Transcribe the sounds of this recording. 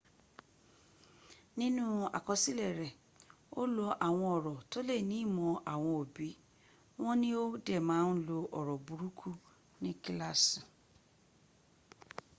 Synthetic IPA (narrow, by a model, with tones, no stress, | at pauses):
nĩ˦nũ˦a̰˨kɔ˧si˦lɛ˦˨ɾɛ˨ | o˦lo˧ʔa˨w̃ɔ̃˧ɔ˨ɾɔ˨to˦le˦˨nĩ˨˦˨mɔ̃˧ʔa˨w̃ɔ̃˧o˨bi˨˦ | w̃ɔ̃˦nĩ˦o˦dɛ˦˨mãː˨˦n˦lo˧ʔɔ˨ɾɔ˨bu˨ɾu˦kʰu˦ | nĩ˦ki˦la˦si˨